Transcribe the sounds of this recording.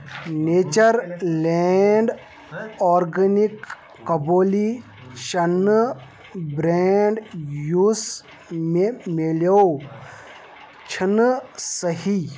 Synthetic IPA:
neːt͡ʃəɾleɳɖ | ɔːɾɡənikː | ɐboːli | ʃɐnː | bɾeɛɳɖjus | memelo | t͡ʃʰinsəɦi

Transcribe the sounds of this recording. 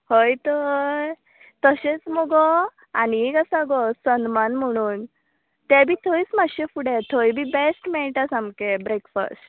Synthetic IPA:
hojt̪ɔ | t̪əɕet͡smɔɡɔ | aniekasaɡɔsənmanm̤əɽ̃uːn | t̪ɛbʱiːt̪ʰoit͡smaɕefuɽɛt̪ʰojbʱiːbesʈmeɭʈasamkebɾekfə̰sʈ

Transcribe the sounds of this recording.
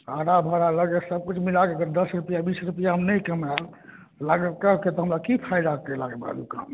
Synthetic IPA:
aɾabʱəɾaləɡesəb̚kut͡ʃʰmilakekəɾd̪əsɾupijabisɾupijaɦəmnəjkəmɾa | laɡekəket̪ɔɦəmɾakipʰaid̪ak̚kelaɡeba̰d̪uka̰m

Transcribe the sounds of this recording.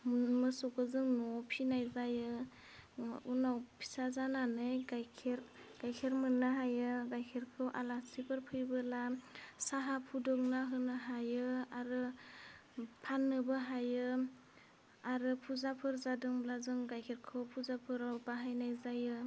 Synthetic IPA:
mmɯsɔkʰɯzɯŋnɔpʰinajzajɯ | unawpʰi̥sazananɯjɡajkʰeɾɡ̥ajkʰeɾmɯnːɯɦajɯɡajkʰeɾkʰɯwʔalasipʰɯɾpʰɯjbɯlasaɦapʰudɔk̚naɦɯnɯɦajɯaɾɯ | pʰanːɯbɯɦajɯ | aɾɯpʰuzapʰɯɾzadɯŋblazɯŋɡajkʰeɾkʰɯwpʰuzapʰɯɾawbaɦajnajzajɯ

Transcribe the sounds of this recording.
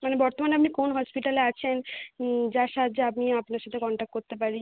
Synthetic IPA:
manebɔɾt̪omanapnikonɦɔspiʈaleat͡ɕʰen | d͡ʑaʃad̪d͡ʑapmiapnaɾʃat̪ʰekɔɳʈak̚ʈ̚koɾt̪epaɾi

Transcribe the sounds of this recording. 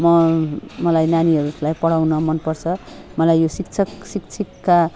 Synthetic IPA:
mʌmʌlajnaniɦʌɾulajpʌɽawnʌmʌnpʌrt͡sʰʌmʌlajːosikt͡sʰʌksikt͡sʰikːa

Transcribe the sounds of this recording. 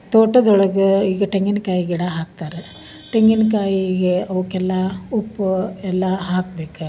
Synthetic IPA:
t̪oːʈɐd̪ɔɭɐɡɐiːɡɐʈeŋɡinkaːjiɡiɽɐɦaːk̚t̪aːɾe | ʈeŋɡinkaːjiːɡeɐʋukɛlːɐupːuɛlːɐɦaːkbeːku

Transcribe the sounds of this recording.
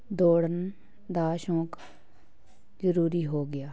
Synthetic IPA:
d̪oːɽən | d̪aːʃõːk | zəɾuːɾiɦoːɡɐjaː

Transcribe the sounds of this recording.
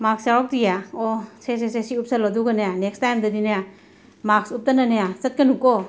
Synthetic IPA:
maksawɔk̚dijaɔsesesesiup̚salɔduɡɐnajanekstajmdɐdinaja | maksup̚tɐnanajasɐt̚kɐnukɔ

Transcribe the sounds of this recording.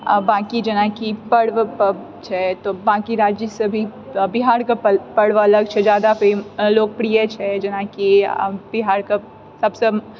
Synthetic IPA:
bãːkid͡ʒɐnãkipɐɽʋ | t͡ʃʰɛt̪obãːkiɾaːd͡ʒjəsebʱibɪɦaːɾkapɐɽʋɐləɡ̚t͡ʃʰɛd͡ʒjaːd̪afeloːk̚pɾijet͡ʃʰɛd͡ʒɐnakib̥ɪɦaːɾka | sɐbse

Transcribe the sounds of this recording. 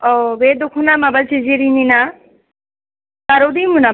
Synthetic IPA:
ɔbed̪ukʰunamabalt͡ʃiziɾinina | kaɾod̪imuna

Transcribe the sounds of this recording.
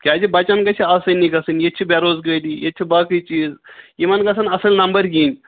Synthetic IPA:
kʲaːd͡ʒibɐt͡ʃankɐt͡ʃʰiaːsɐnːikɐsɨnjet͡ʃʰibʲaɾoːzɡəjd̪iːjett͡ʃʰibaːkit͡ʃiːzjimɐnkɐsɐnɐsɐlnɐmbəɾɡiːnʲ

